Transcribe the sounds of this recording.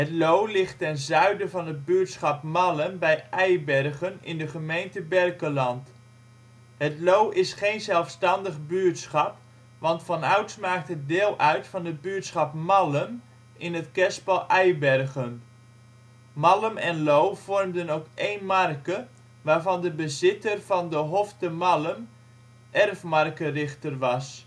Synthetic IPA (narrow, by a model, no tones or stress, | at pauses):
ɦətlowlɪχtːɛnzœɥdəvɑnɦəd̚byətsχɑpmɑləmbɛjɛjbɛrχənɪ̰ndəχəmejntəbɛrkəlɑnt | ɦətlowʔɪsχejnzɛlˠfstɑndəχbyəɹtsχɑp | ʋɑntfɑnœɥtsmaːk̚tɦət̚dɪːlˠʔœɥtfɑnəbyətsχɑpmɑləm | ɪnətkɛspɑlˠʔɛjbɛrɣən | mɑləmɛnlowv̥ɔrmdənowkejnmɑrkə | ʋaːɹvɑndəbəzɪtərv̥ɑndəɦoftəmɑləm | ʔɛrfmɑrkərɪχtərʋɑs